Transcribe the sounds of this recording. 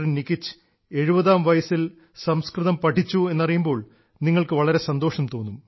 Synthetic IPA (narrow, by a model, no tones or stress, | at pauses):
rinnikːit͡ɕːɨ̥ | e̞ɻubɐðaːmʋɐjɐsil | sɐmskrɨðɐmpɐʈʰːit͡ɕːue̞nːɐrijumbo̞ːɭ | niŋːɐɭkɨʋɐɭɐɾe̞sɐnd̪o̞ːʂɐmt̪o̞ːnːum